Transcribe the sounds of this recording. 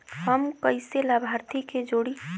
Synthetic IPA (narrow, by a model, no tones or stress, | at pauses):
həmkəɪselabʱaɾt̪ʰiked͡ʒoːɽi